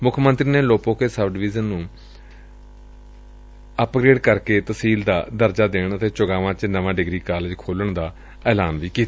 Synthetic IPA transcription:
mʊkʰmənt̪ɾiːneːloːpõːkeːsəbɖɪʋiːzənːũː | əpɡɾeːɖkəɾkeːt̪əsiːld̪aːd̪əɾd͡ʒaːd̪eːɳət̪ʰeːt͡ʃʊɡãːʋãːt͡ʃnəʋãːɖɪɡɾiːkaːleːd͡ʒkʰoːləɳd̪aː | ɛːlaːnʋiːkiːt̪ː

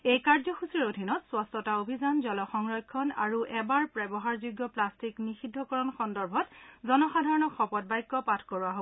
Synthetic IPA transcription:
ejkaɹzɔxusiɹodʱinɔtswastɔtaobʱizanzɔlɔxɔŋɹɔjkʰːɔna̰ɹuʔɛbaɹpɹɛbɔɦaɹzuɡːɔplastiknixidʱːɔkɔɹɔnxɔndɔɹbʱɔtzɔnɔxadʱaɹɔnɔxɔpɔt̚bajkːɔpatʰkɔɹuaɦo

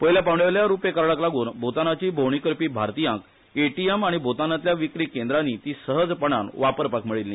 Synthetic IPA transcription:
pəjljapawɳɖeʋljaɾupekəɾɭaklaɡuːnbʱot̪anat͡ɕiːbʱowɳ̃ikəɾpiːbʱaɾt̪ijãk | eʈiemaɽ̃ibʱot̪anat̪ljaʋikɾiːkẽnd̪ɾanit̪iːsəɦəd͡zpəɳ̃anʋapəɾpakmiɭilːi

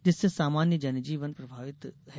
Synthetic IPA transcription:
d͡ʒɪsesaːmaːnjəd͡ʒɐnd͡ʒiːʋənpɾɐbʱaːʋɪt̪ɦɛ

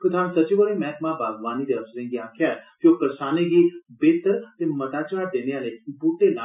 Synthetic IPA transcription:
kʊt̪ʰãːsɐt͡ʃiʋəɽimɛːkmãbaːɡʋaːnid̪eəszẽŋɡiaːkʰjaːɾkjoːpɾəsaːneɡibeːt̪əɾt̪emɐt̪aːt͡ʃaːɾd̪eːneãlepuʈ̪ela

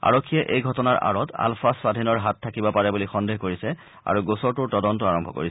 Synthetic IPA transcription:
a̰ɹɔkʰːijɛʔejɡʱɔtɔnaɹʔa̰ɹɔta̰lfʰassadʱinɔɹɦatʰːakibɔpaɹɛbulixɔndeɦkoɹisɛ | a̰ɹuɡosɔɹtʊɹtɔdɔntɔaɹɔmbʱɔ̰ko̰ɹis

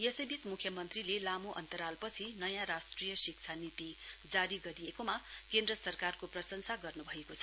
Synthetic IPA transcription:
jesʌbismukʰjʌmʌnt̪rilelamuʔʌ̰nt̪ʌɾalpʌt͡sʰinʌjãɾasʈrijʌsik̚t͡sʰanit̪id͡zaɾiɡʌɾijekomakẽnd̪rʌsʌrkarkoprʌsʌŋsaɡʌrnubʱʌekot͡sʰʌ

